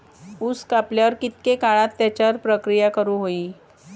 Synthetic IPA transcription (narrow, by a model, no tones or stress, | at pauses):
uskapljaʋəɾkit̪̚kekaɭãt̪ːjat͡ɕjaɾpɾəkɾijakəɾuːɦoiː